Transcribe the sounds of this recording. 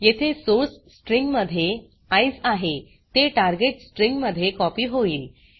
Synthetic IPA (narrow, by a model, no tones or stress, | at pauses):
jet̪ʰesoɾssʈɾiŋɡməd̪ʱːje | ajsaɦe | t̪eʈaɾɡeʈsʈɾiŋɡməd̪ʱːjekɔpiːɦoiːl